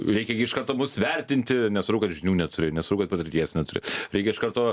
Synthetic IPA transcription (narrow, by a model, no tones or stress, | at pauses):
ɾʲɛɪkʲɛɡʲɪʃkɐrt̪oːmʊsʋʲɛɾʲt̪ʲɪnʲt̪ʲɪnʲɛsɐɾɐʊkɐt̪ʒʲɪnʲuːnʲɛt̪ʊɾʲɪnʲɛsɐɾɐʊkɐt̪̚pɐt̪ʲɪɾʲt̪ʲiɛsnʲɛt̪ʊɾʲɪ̰ɾʲɛɪkʲɛɪʃkɐrt̪oː